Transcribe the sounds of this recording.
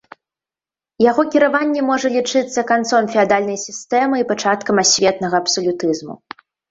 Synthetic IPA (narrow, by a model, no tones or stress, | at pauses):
jaɣɔkʲiɾavanʲːɛmɔʐɐlʲit͡ʂɨt̪sːɐkant̪sɔmfʲɛad̪alʲnɐjsʲist̪ɛmɨipat͡ʂat̪kɐmasʲvʲɛt̪nɐɣɐːpsɔlʲut̪ɨzmṵ